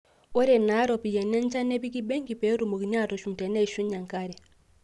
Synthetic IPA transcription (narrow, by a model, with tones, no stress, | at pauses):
o˦ɾɛ˨na˨˦ɾo˨pi˨jɛ˨nɛ˦nt͡ʃa˦ne˦βi˦ki˦be˦ŋɡi˨pe˨˦ɾu˨mu˨ki˨ɲa˦˨tɔ˨ʃu˨n˨tɛ˨ne˦i˨ʃu˦ɲa˨ŋka˦ɾɛ˨